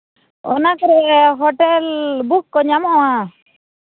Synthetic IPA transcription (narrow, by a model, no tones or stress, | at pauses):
ɔ̰nakɔɾɛɦɔʈɛlbukːɔɲamɔwa